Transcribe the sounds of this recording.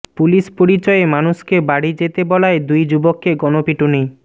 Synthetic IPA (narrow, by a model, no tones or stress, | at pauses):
puliʃpoɽit͡ɕɔemanuʃkebaɽid͡ʑet̪ebɔlaed̪ujd͡ʑubokːeɡɔnopiʈuni